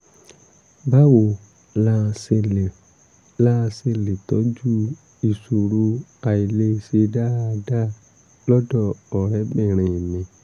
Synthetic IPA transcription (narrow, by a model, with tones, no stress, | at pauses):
ba˦wo˨ | la˦˧se˧le˨ | la˦˧se˧le˨tɔ˨˦d͡ʒu˦ | i˨so˨ɾu˧a˨i˨le˧˦se˧da˦˧da˦ | lɔ˦dɔ˦˨ɔ˨ɾɛ˨˦bɛ̃˦˨ɾ̃ẽ˨nĩ˧